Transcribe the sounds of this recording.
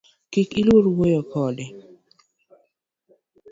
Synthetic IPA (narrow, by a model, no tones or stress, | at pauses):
kikilwoɾwojɔkɔdɪ